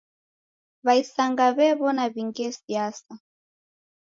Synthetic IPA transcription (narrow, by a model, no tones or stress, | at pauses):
βaisaŋɡaβɛβɔnaβiŋɡɛsiasa